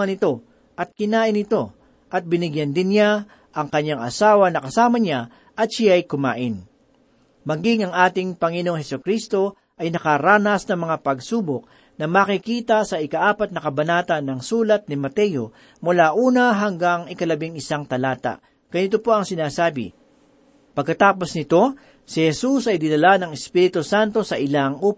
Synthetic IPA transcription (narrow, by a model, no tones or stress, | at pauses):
ɐnɪt̪o̞ | ʔɐt̪̚kɪnaːʔɪnɪt̪o̞ | ʔɐt̪̚bɪnɪɡjand̪ɪnja | ʔɐŋkɐɲːaŋɐ̰saːwɐnɐkɐsaːmɐɲa | ʔɐt̪̚ʃjajkʊma̰ːʔɪn | mɐɡɪŋɐŋʔaːt̪ɪŋpɐŋɪnoŋhɛsʊkɾist̪o̞ | ʔɐjnɐkaɾaːnɐsnɐmɐŋapɐɡsuːbok̚ | nɐmakɪkiːt̪ɐsɐɪkɐʔaːpɐt̪̚nɐkɐbɐnaːt̪ɐnːɐŋsuːlɐt̪̚nɪmɐt̪ɛjo̞ | mʊlaʔuːnɐɦɐŋɡaŋɪkɐlɐbɪŋɪsaŋt̪ɐlaːt̪a̰ | ɡ̥ɐnɪt̪opo̞ɐŋsɪnaːsaːbɪ̰ | pɐɡ̚kːɐt̪aːpo̞snɪt̪o̞ | sɪhɛsusɐjd̪ɪnɐlanɐŋɪspiːɾɪt̪osant̪o̞sɐʔɪlaŋuːp